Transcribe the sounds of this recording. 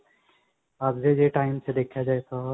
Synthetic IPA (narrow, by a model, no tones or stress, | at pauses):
aːbd͡ʒed͡ʒeʈaːɪmsed̪eːkʰjad͡ʒaːet̪ʰa